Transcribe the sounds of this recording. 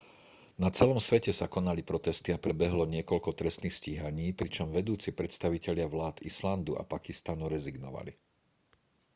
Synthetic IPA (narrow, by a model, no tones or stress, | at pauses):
nat͡sɛlɔmsʋɛcɛsakɔnalipɾɔt̪ɛst̪iapɾɛbɛɦlɔɲɪɛkɔʎkɔt̪ɾɛst̪nixsciɦaɲiːpɾit͡ʃɔmʋɛd̪uːt͡sipɾɛt̪st̪aʋicɛʎɪaʋlaːd̪island̪ua̰pakist̪anuɾɛziɡnɔ̰ʋa̰lḭ